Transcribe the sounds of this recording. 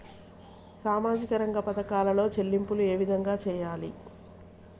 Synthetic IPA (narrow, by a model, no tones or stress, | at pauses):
saːmaːd͡ʒikɐɾɐŋɡɐpɐt̪ɐkaːlɐlo̞ːt͡ʃe̞lːimpulue̞ːʋid̪ʱɐŋɡaːt͡ʃɛːjaːlḭ